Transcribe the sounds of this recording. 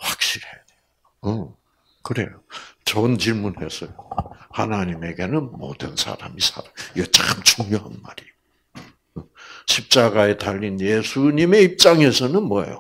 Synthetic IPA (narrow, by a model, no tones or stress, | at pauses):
ɸwak̚ɕ͈iɾhe̞jadejoɯ | kɯɾe̞̰jot͡ɕʌnt͡ɕiɭmunhe̞sʰʌjohanaɲime̞ɡe̞nɯnmo̰d̥ɯnsʰa̰ɾa̰misʰa̰ɾamiɡʌt͡ɕaχɯmt͡ɕuŋjoɦanma̰ɾio | ɕʰip̚t͡ɕ͈aɡae̞taʎːinje̞sʰuɲime̞ip̚t͡ɕ͈aŋe̞sʰʌnɯnmwʌ̰jo̰